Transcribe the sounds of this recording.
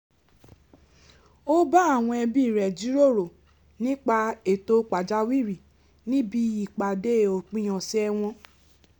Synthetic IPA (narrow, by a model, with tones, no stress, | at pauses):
o˦ba˦a˦˨w̃ɔ̃˧ɛ˧bi˦˨ɾɛ˨d͡ʒi˨˦ɾo˦˨ɾo˨ | nĩ˦k͡pa˧e˨to˧k͡pa˨d͡ʒa˦wi˦˨ɾi˨ | nĩ˦bi˧i˦˨k͡pa˨de˦˨o˨k͡pĩ˦j̃ã˨sɛ˦ɛ˧w̃ɔ̃˧